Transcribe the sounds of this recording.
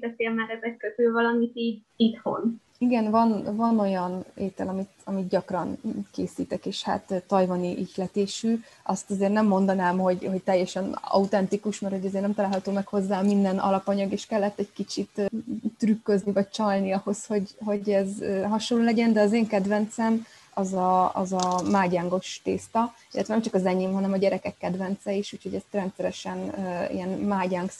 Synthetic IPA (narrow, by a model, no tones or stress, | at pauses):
d̪ɛt̪eːlmaɾɛzɛkkːøt̪øːvɒlɒmit̪iːɟ | it̪ho̰n | iɡɛnvɒnvɒno̞jɒneːt̪ɛlɒmit̪ɒmit̪ɟɒkrɒnkeːsiːt̪ɛkeːʃha̰t̪ːɒjvɒniʔiclɛt̪eːʃyːʔɒst̪ɒzeːrnɛmːo̞nd̪ɒnaːmho̞ɟho̞c̚t̪ɛjːɛʃɛnɒ̰ut̪ɛnt̪ikuʃmɛrho̞ɟɛzeːrnɛmt̪ɒlaːlhɒt̪oːmɛkho̞zːaːɒmind̪ɛnʔɒ̰lɒpɒɲɒɡeːʃkɛlːɛt̪ːɛɟkit͡ʃit̪t̪rykːøznivɒɟ̚t͡ʃɒlniɒho̞sho̞ɟɦo̞ɟɛzøɦɒʃolːoːlɛɟɛnd̪ɛɒzeːŋkɛd̪vɛnt̪sɛm | ɒzɒɒ̰zɒmaːɟaːŋɡo̞ʃt̪eːst̪ɒ | ilːɛt̪ʋɛnɛmt͡ʃɒkɒzɛɲeːmɦɒnɛmɒɟɛɾɛkɛkːɛd̪vɛnt̪sɛiʃuːcho̞ɟɛst̪rɛnt̪sɛɾɛʃɛnḭɛnmaːɟaːŋk